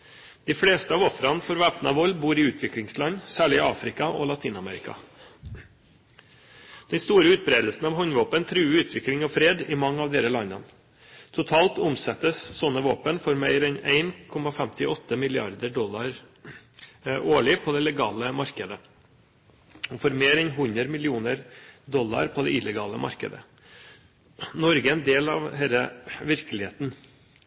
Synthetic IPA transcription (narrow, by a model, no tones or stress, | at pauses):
d̪̥ɪfɽeːst̪əɑːʋɔfɾɑnfɔɾʋæːpnɑ̰ʋɔlbuːɾɪʉːt̪ʰʋɪklɪŋslɑɲsæːɭɪɑːfɾɪkɑʔɔ̰lɑt̪ʰiːnɑmɛ̰ːɾɪkɑ̰ | d̪̥ɛnst̪uːɾəʉːt̪̚bɾeːd̪lsn̩ɑʋɦɔɲʋoːpənt̪ʰɾʉːʉːt̪ʰʋɪklɪŋɔfɾeːd̪ɪmɑŋːɑʋd̪eɾəlɑnə̰n | t̪ʰʊt̪ʰɑːlt̪ʊmsɛt̪ːəssɔnːəʋoːpənfɔɾmæɪɾɛnæ̰ɪnkʰɔmɑfɛmt̪ɪɔt̪ʰːəmɪlɪɑ̰ɾd̪əɖɔlːɑɾ | ʔoːɭɪpʰɔd̪ɛlɛɡɑːləmɑɾkəd̪ə | ɔfɔɾmeːɾɛɪnɦʉnəɾmɪlɪuːnəɾd̪ɔlːɑ̰ɾpʰɔd̪ɛ̰ʔɪləɡɑːləmʔɑ̰ɾkə̰d̪ə̰ | nɔɾɡəɛnd̪eːlɑ̰ʋɦeːləʋɪɾkəlɪheːt̪n